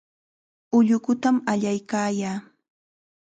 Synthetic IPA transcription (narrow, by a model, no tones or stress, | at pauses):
ʊʎʊkʊt̪amaʎajkaːjaː